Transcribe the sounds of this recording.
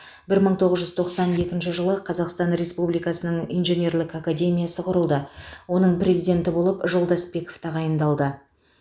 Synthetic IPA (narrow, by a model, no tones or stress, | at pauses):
bɪɾməɴt̪ʰo̞ʁəzʒʏzt̪ʰoqsɑnje̞kʲɪnʃ̬ɪʒəlˠəqʰɑzɑqst̪ɑnɾe̞spublijkɑsənəɴḭjnʒe̞nʲe̞rlʲˠɪkakad̪ʲe̞mʲijasəqʰʊɾəlˠd̪əwo̞nəɴpɾʲe̞zijd̪ʲe̞nt̪ɪbo̞lˠəpʒo̞lˠd̪ɑsbe̞ko̞̥ft̪ʰɑʁɑjənd̪ɑlˠd̪ə